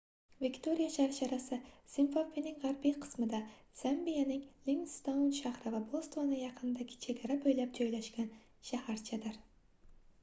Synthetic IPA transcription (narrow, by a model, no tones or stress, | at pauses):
vikʲt̪ʰo̞ɾijaʃaɾʃaɾasɪsɪmfopinɪŋʁaɾbijqʰɨ̥smɪd̪a | z̥ambijanɪŋliŋst̪ownʃahɾɪvabolˠst̪vonɪjɑqʰɨnd̪aɡʲɪ̥t͡ʃʰe̞ɡʲaɾabojlap̚d͡ʒɒjlaʃɡʲan | ʃahaɾt͡ʃʰad̪ɪɾ